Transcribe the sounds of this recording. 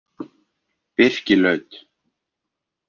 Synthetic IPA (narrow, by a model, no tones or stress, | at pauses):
pɪr̥cɪlœɥt̪